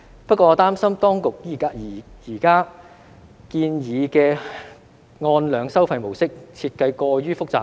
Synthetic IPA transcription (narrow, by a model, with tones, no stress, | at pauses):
pɐ˥kʷːɔː˧˨˧t̪aː˥msɐ˥mt̪ɔː˥ŋkʊ˨k̚jiː˨˩a˧˨jiː˨˩kaː˥ | kiː˧njiː˨˧kɛː˧ | ŋɔː˧nlœː˨˧ŋsɐ˥wfɐ˧jmo˨˩wsɪ˥k̚t͡sʰiː˧t̚kɐ˧jkɔː˧jyː˥fʊ˥k̚t͡sa̰ː˨˩